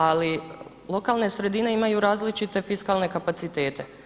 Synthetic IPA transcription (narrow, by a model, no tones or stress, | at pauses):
ali | lˠo̞kaːlˠne̞sɾe̞d̪ine̞imajuɾaːzlit͡ʃit̪e̞fiskaːlˠne̞kapat̪sit̪e̞ːt̪e̞